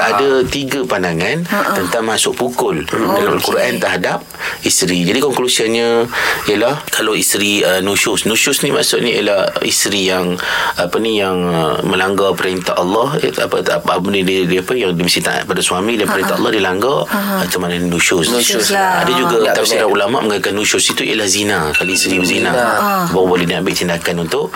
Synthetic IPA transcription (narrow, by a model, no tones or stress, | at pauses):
ʔadat̪iɡapandaŋãntt̪ənt̪aŋmasʊʔpukʊldalama̰lkuɾʔant̪əɦadap̚ist̪ɾid͡ʒadikɔŋklusianɲə̃ijəlahkalawist̪ɾiənusʊsnusʊsnima̰ʔsʊʔnijəlahḭst̪ɾijaŋapanijaŋmə̃laŋɡapəɾent̪aʔɑlːɑha̰paapaənididiapəjaŋdimisit̪aʔa̰t̪̚padasuamidanpəɾent̪aʔɑ̰lːɑhdilaŋɡait̪umananinuʃʊssa̰dad͡ʒuɡat̪aiɾaulama̰ʔməŋakanːuʃʊsit̪uj̰lahzinakalaist̪ɾibəzinabawabolɛhdiambɪʔt̪indakanunt̪ʊʔ